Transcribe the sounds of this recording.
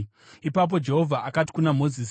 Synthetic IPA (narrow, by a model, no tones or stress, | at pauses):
ipap̬o̞d͡ʒe̞ɦo̞vʱaʔakati̥kunamo̞zis